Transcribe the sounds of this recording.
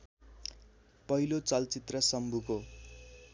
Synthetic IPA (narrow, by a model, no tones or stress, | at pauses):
pʌɦilot͡sʌlt͡sit̪rʌsʌmbʱuko